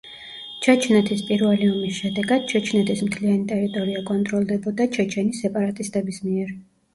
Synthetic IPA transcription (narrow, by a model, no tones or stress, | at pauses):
t͡ʃʰɛt͡ʃʰnɛt̪ʰispʼiɾvaliɔmisʃɛd̪ɛɡad̪̥̚t͡ʃʰɛt͡ʃʰnɛt̪ʰismt̪ʰlianit̪ʼɛɾit̪ʼɔɾiakʼɔnt̪ʼɾɔlˠd̪ɛbɔd̪at͡ʃʰɛt͡ʃʰɛnisɛpʼaɾat̪ʼist̪ʼɛbismiɛɾ